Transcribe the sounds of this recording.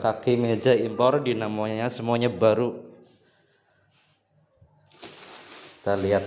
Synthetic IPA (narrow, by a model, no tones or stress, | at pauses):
kakemed͡ʒaimpɔrdinamoɲasəmuaɲabaɾu | t̪aliat̪̚